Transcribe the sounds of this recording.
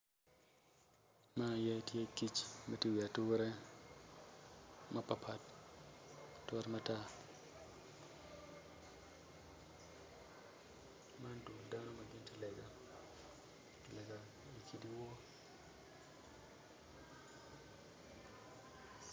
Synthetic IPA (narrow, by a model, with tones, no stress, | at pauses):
ma˦˨jɛ˦ti˦e˦ki˦t͡ʃma˨ti˦wi˨a˨tu˦wɛ˦ɾɛ˦ | ma˦pa˨pʰa˦t | tːɾma˦ta˦ | ma˦ndu˨lda˦no˦ma˨ɡɪ˦nti˦lɛ˨ɡa˨ | i˨lɛ˨ɡa˨ | i˨ki˨di˦wo˦